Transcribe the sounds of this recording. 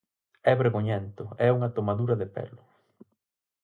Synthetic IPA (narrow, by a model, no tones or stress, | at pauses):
ɛβeɾɣoɲɛnt̪ʊɛuŋɐt̪omaðuɾɐðɪpɛ̰lʊ